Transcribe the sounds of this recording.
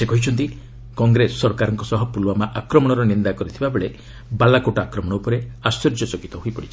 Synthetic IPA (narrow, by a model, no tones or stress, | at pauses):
sekɔɦit͡ʃʰɔnt̪i | kɔŋɡɾesːɔɾɔkaɾɔŋkɔsɔɦɔpulwamaʔakɾɔmɔɽ̃ɔɾɔnind̪akɔɾit̪ʰibabeɭe | balakoʈaakɾɔmɔɽɔupɔɾeaswɔd͡ʒɔt͡ʃɔkit̪ɔɦoipɔɽit͡ʃʰi̥